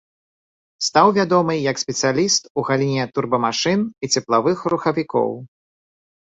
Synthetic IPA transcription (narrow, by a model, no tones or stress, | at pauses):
st̪awvʲad̪ɔmɨjɐksʲpʲɛt̪sɨjalʲist̪uɣalʲinʲɛt̪urbɐmaʂɨnit͡sʲɛplˠavɨxruxɐvʲikɔ̰w